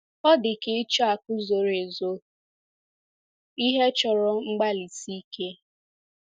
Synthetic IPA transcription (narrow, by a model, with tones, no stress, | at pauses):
ɔ˦dɪ˨ke˦t͡ʃɔ˦a˨kʊ˦zo˨ɾe˨zo˦ | i˦ɦe˦t͡ʃɔ˨ɾɔ˦ŋ͡m̩˦ɡ͡ba˦li˨si˦ke˦